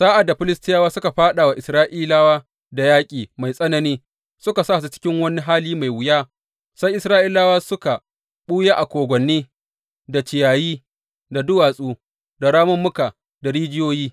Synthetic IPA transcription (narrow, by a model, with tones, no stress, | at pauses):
saː˦ʔa˨dːa˨ɸɪ˦lɪ˦stɪ˦jaː˦waː˦sʊ˦ka˨ɸaː˦ɗa˨wa˨ʔɪ˨sɾaː˦ʔiː˦laː˦waː˦ | da˨jaː˦kʲʼiː˨ma˨jsʼɐ˦nɐ˨niː˦ | sʊ˦ka˨saː˦˨s̬u˦t͡ʃɪ̥˦kʲɪ˦ŋwɐ˦ni˦ɦaː˦liː˦ma˨jwɪ˨jaː˦ | sa˦jʔɪ˨sɾaː˦ʔiː˦laː˦waː˦sʊ˦ka˨ | ɓuː˦jeː˦ʔa˨kʷoː˨ɡʷɔ˨nːiː˦ | da˨t͡ʃɪ˨jaː˨jiː˦ | da˨dʊ˦waː˨sʼuː˦ | da˨ɽaː˦mʊ˦mːʊ˦ka˨ | da˨ɾiː˦d͡ʒɪ˦joː˦jiː˦